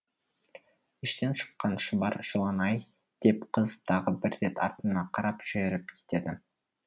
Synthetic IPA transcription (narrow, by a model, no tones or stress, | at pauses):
ɪʃt̪e̞nʃə̥qːɑnʃəbɑɾʒəlˠɑnɑj | d̪̥e̞pqʰəzt̪ʰɑʁəbɪɾːe̞t̪ɑɾt̪ənɑqʰɑɾɑpʒ̥ɪeɾɪp̚kʲʰe̥t̪e̞d̪ɪ